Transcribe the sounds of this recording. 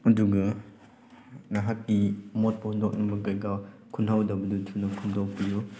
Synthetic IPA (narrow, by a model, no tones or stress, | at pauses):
ɐduɡɐ | naɦakːimot̚pɐhundok̚nuŋbɐkajɡakʰunhawdɐbɐdutʰunɐkʰundow̚piju